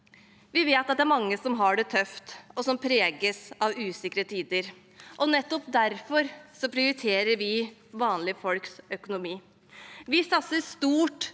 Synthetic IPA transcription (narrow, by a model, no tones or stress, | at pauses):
ʋɪʋeːt̪ɑt̪̚d̪ɛæɾmɑŋːəsɔmɦɑɖɛt̪ʰœft̪ɔsɔmpʰɾeːɡəsɑʋʉːsɪkːɾət̪ʰiːd̪əɾ | ʔɔnɛt̪ːɔpd̪æɾfɔɾsɔpʰɾɪʊɾɪt̪ʰeːɾəɾʋɪʋɑːnlɪfɔlksœkʊnʊmiː | ʋɪsɑt̪səst̪uːʈ